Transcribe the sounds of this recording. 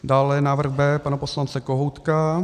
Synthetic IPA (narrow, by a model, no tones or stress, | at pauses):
daːlɛnaːvr̩ɣbɛːpanaposlant͡sɛkoɦowt̪ka